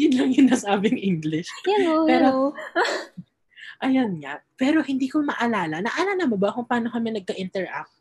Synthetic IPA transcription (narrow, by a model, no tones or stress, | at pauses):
d̪ɪd̪lɐŋjɪnasaːbɪŋʔiŋɡlɪʃɛopɛːɾo | ʔɐjonŋɐ̰pɛːɾo̞hɪnd̪iːkomɐʔɐlaːlɐnɐʔalɐnɐmobɐkʊŋpaːno̞kɐmɛnɐɡ̚kɐʔɪnt̪ɛɹʔa̰k̚t̪̚